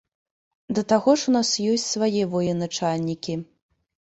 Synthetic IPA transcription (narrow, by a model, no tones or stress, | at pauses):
d̪ɐt̪aɣɔʂunasjɔsʲt͡sʲsvajɛvɔjɛnat͡ʂalʲnʲikʲi